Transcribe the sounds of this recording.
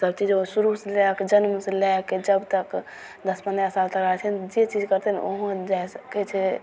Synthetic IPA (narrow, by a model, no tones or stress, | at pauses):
səbt͡ʃid͡ʒosuɾuselɛkd͡ʒənmselɛked͡ʒəbt̪ək | d̪əsməneəsalt̪əkɾəɦɛt͡ʃʰɛnd͡ʒet͡ʃid͡ʒkəɾt̪ɛn̰o̰ɦd͡ʒajsəkɛt͡ʃʰɛ